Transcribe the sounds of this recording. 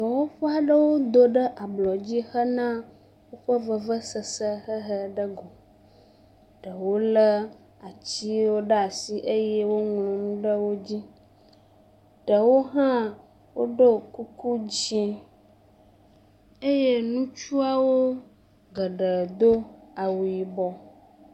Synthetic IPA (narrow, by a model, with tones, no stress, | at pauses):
ɡɔ˨wo˦ɸɔ˦a˨ɖə˦wo˦d̪o˨ɖə˦ʔa˨blɔ˨d͡ʑi˦xə˦nã˦ | wo˦ɸə˦və˦˨və˦sə˨sə˦ɦə˦ɦə˦ɖə˦ɡɔ˨ | ɖə˨wo˦lə˦ | a˨t͡ɕi˦wo˦ɖə˦a˨si˦ʔe˦jɛ˦wo˦ŋlɔ̃˨nũ˦ɖə˦wo˦d͡ʑi˦ | ɖ̥ə˨wo˦ɦã˦ | wo˦ɖo˦ku˦ku˦d͡ʑĩ˦ | e˦je˦nũ˦t͡ʃu˦a˦wo˦ | ɡə˨ɖə˨d̪o˦a˨wu˨i˨bɔ˨